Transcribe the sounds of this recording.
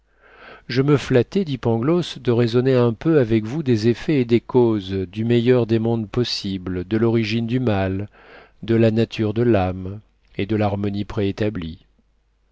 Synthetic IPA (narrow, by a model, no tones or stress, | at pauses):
ʒəməflat̪ɛd̪ipɑ̃ɡlɔsd̪əʁezɔneɛ̃pøavɛkvud̪ezefeːd̪ekozd̪ymejœʁd̪emɔ̃d̪pɔsibld̪əlɔʁiʒind̪ymal | d̪əlanat̪ʰyʁd̪əlam | ed̪əlaʁmɔnipχeːt̪abli